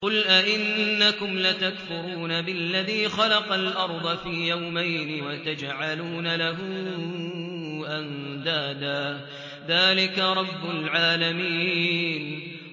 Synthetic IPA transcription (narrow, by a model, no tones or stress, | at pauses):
qʊlʔaʔɪnːakʊmlat̪akfʊɾuːnabɪlːaðiːxɑlɑqɑlʔɑɾˤd̪ˤɑfiːjawmajnɪwat̪ad͡ʒʕaluːnalaɦʊ | ʔand̪aːd̪aː | ðaːlɪkaɾˤɑbːʊlʕaːlamiːn